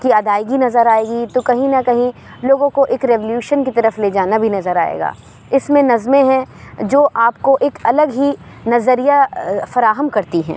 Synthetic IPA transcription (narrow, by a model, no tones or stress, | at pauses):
kiɐd̪aːiɡinɐzəɾaːeːɡit̪okɐɦĩnɐkɐɦĩ | loːɡõkoʔeːkɾɛʋoljuːʃənkit̪ɐɾəfleːd͡ʒaːnabʱinɐzəɾaːḛːɡa̰ː | ɪsmẽnɐzmẽɦɛ̃d͡ʒoːʔaːpkoʔeːkɐləɡɦi | nɐzəɾijafɐɾaːɦəmkɐɾt̪iɦɛ̰̃ː